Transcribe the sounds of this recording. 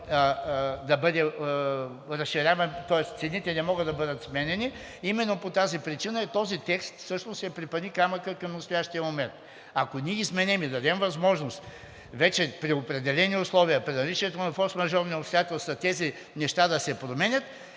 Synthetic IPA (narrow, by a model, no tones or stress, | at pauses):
d̪ɐbɤd̪ɛ | ɾɐsʃiɾʲavɐnt̪ɔɛst̪t̪sɛnit̪ɛnɛmɔɡəd̪ɐbɤd̪ət̪smɛnɛni | imɛnːopot̪azipɾit͡ʃinəɛt̪ɔzit̪ɛkst̪fsɤʃnossɛpɾipɐnikamɐkəkɐmnɐt̪st̪ojaʃt̪ijəmomɛnt̪ | ɐkoniɛizmɛnɛmid̪ɐd̪ɛmvɐzmɔʒnost̪ | vɛt͡ʃɛpɾiopɾɛd̪ɛlɛniʊslˠɔvijəpɾinɐlit͡ʃiɛt̪onɐfɔsmɐʒɔvnʲiʊpst̪ojat̪ɛlˠsɐt̪ɛzi | nɛʃt̪ad̪ɐsɛpɾomɛnʲət̪